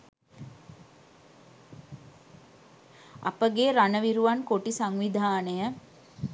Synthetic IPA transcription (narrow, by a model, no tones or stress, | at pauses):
a̰pəɡeːɾanəʋiɾuʋankoʈisaŋʋid̪ʱaːnəjə